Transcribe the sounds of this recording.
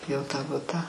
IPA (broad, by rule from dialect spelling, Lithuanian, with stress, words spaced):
ˈjɛʊ ˈtɑː ˈbʊtɑː